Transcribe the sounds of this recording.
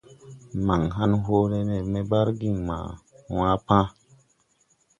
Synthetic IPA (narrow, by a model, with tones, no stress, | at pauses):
ma˨ŋɦa˦nɦo˦ɾe˦ne˨me˦ba˦ɾɡi˦˨ŋma̰˨ | w̃ã˦pã˦